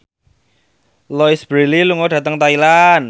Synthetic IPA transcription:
lɔisb̥ɾililuŋoɖä̤t̪əŋt̪ailan

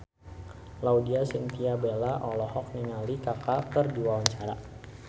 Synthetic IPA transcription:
lawdiasint̪iabelaʔɔlɔhɔk̚ninalikakakərdiwawaɲt͡ʃaɾa

